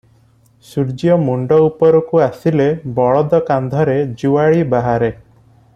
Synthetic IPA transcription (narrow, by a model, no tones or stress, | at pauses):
suɾd͡ʒijɔmuɳɖɔupɔɾɔkuasilebɔɭɔd̪ɔkand̪ʱɔɾed͡ʒuwaɭibaɦaɾe